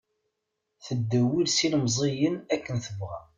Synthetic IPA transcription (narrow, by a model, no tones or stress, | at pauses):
θəd̪ːəwilsiləmzˤejənækːənθəvʁæ